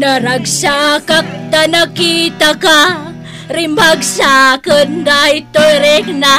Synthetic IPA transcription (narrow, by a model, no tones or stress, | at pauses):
naɾaɡsakak̚t̪anakit̪aka | ɾimbaɡsakəndajt̪ojɾekna